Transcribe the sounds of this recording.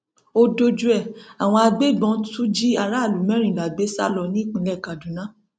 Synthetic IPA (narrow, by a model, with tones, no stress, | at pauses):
o˧do˧d͡ʒu˧ɛ˦˨a˨w̃ɔ̃˧a˧be˦˨bɔ̃˧˦tu˦d͡ʒi˦a˧ɾa˦˨lu˨mɛ̃˨˦ɾ̃ĩ˨la˨be˨˦sa̰˦lɔ˧nĩ˦˨k͡pĩ˧lɛ˦˨ka˨dũ˨nã˨˦